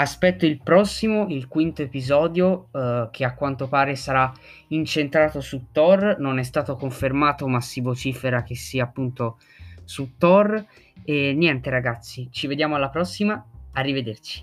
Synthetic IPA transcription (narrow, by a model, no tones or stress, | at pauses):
aspɛt̪ːoilpɾɔsːimoilkwint̪oepizɔːd̪jokʰeakːwant̪opaːɾesaɾa | int͡ʃent̪ɾaːt̪osut̪ːɔrnonɛs̬t̪aːt̪okoɱfermaːt̪omasːivot͡ʃiːfeɾak̟esːiaːpːunt̪o | sut̪ːɔr | enːjɛnt̪eɾaɡat̪sːit͡ʃived̪jaːmoalːapɾɔsːimaːrːived̪ert͡ʃi̥